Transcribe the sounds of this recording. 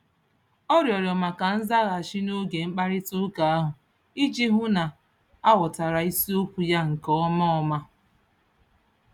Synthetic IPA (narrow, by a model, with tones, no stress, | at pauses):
ɔ˦ɾjɔ˨ɾjɔ˨ma˨ka˨n̩˦za˦ɣa˨a˨ʃi˦no˦ɡe˨ŋ͡m̩˦k͡pa˦ɾɪ˦tʊ˦ka˨a˦ɦʊ˨ | i˦t͡ʃi˦ɦʊ˦na˨ | a˦wʊ˨ta˨ɾa˨i˦si˦o˦kʷu˨ja˦ŋ̩˨kɔ˦ɔ˦mɔ˦ɔ˦ma˦